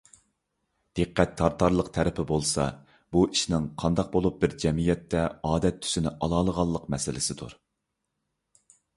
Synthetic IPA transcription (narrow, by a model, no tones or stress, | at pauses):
d̪̥eqʰːæt̪ʰːɑɾt̪ʰɑɾlˠəqt̪ʰɛɾɪpʰɪbolˠsɑ̰ | buʔiʃnɪŋqʰɑnd̪ɑq̚bolˠup̚bɪɾd͡ʒɛmijɛt̪ʰːɛɑːd̪ɛt̪ʰːy̥sɪnɪʔɑlˠɑːlˠəʁɑlˠːəqmɛsɪlɪsɪd̪ṵɾ